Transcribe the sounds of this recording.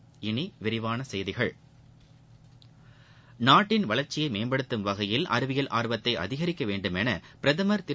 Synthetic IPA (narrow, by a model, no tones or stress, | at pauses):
ɪniʋɪɾɪʋaːnɐsɛjðɪɣɐɭ | naːʈːɪnʋɐlɐɾt͡ʃːɪjɐɪmeːmbɐɽɯt̪ːɯmʋɐɣɐjɪlɐ̰ɾɯʋɪjɐlʔaːɾʋɐt̪ːɐɪʔɐ̰ðɪɣɐɾɪkːɐʋeːɳɖɯmɛnɐpɪɾɐðɐmɐɾt̪ɪ